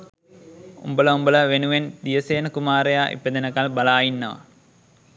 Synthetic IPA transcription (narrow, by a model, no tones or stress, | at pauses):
ṵmbələumbələʋenuʋend̪ijəseːnəkumaːɾejaːʔḭped̪ənəkalbalaːjinːəʋə̰